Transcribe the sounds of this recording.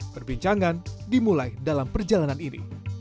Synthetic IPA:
pərbiɲt͡ʃaŋandimulajdalampərd͡ʒalananinḭ

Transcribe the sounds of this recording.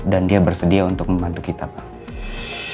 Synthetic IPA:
dandiabərsədiaunt̪ʊk̚məmbant̪ukit̪apa

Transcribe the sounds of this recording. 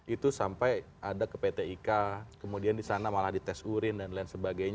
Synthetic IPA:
ʔit̪usampaj | adakəpet̪eikakəmudiandisanamalahdit̪ɛsuɾɪndanlɛnsəbaɡajɲ

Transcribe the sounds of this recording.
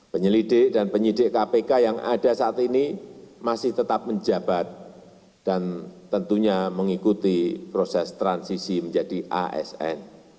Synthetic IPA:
pəɲəlidɪʔ̚danpəɲidɪʔkapekajaŋʔa̰d̥asaːt̪inimasɪht̪ət̪ap̚məɲd͡ʒab̥at̪̚ | d̥ant̪ənt̪uɲaməŋikut̪ipɾosɛst̪ɾansisiməɲd͡ʒadiʔa̰ʔɛ̰sɛ̰n

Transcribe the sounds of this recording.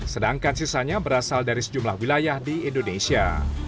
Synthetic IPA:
sədaŋkansisaɲabəɾasaldaɾisə̥d͡ʒumlahwilajahdiindonesia̰

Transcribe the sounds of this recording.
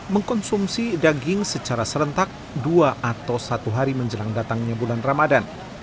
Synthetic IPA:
məŋkɔnsumsidaɡɪŋsət͡ʃaɾasəɾənt̪ak̚ | duaʔat̪awsat̪uɦaɾiməɲd͡ʒəlaŋdat̪aŋɲabulanramadan

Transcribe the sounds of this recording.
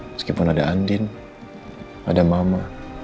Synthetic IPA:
skipɔnadaandin | a̰damama

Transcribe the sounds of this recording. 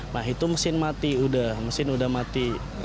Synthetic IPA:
maɦit̪uməsɪnmat̪iudahməsɪnudahmat̪i

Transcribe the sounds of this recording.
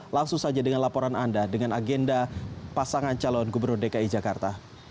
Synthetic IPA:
laŋsʊŋsad͡ʒadəŋanlapɔɾanandadəŋanaɡɛndapasaŋant͡ʃalɔnɡubərnʊrdekaid͡ʒakart̪a

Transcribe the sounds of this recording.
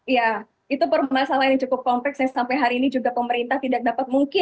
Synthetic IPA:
ija | it̪upərmasalajaŋt͡ʃukʊp̚kɔmplɛksɲasampajɦaɾiːnid͡ʒuɡapəməɾint̪aht̪idak̚dapat̪̚muŋkɪ

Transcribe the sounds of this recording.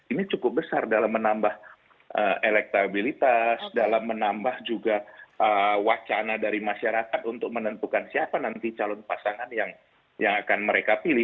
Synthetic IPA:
init͡ʃukʊp̚bəsardalamːənambah | əelɛk̚t̪abilit̪asdalamːənambahd͡ʒuɡaʔəwat͡ʃanadaɾimaʃaɾakat̪unt̪ʊk̚mənənt̪ukansiapanant̪it͡ʃalɔnpasaŋanjaŋ | jaŋakanməɾekapilɪ

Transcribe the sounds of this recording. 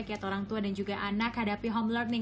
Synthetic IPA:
kiat̪oɾaŋt̪uadand͡ʒuɡaʔanakhadapiɦɔmlɔrni

